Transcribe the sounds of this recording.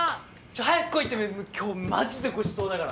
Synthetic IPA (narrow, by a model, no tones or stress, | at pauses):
t͡ɕohajakɯ̥kːoit̪ːememokʲʰoːma̰d͡ʑid̪eɡoɕi̥so̞ːd̪akaɾa̰